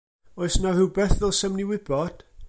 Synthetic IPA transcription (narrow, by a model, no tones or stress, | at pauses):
ɔɨsnahɨwbɛθðɛlˠsəmniwɪb̥ɔd̥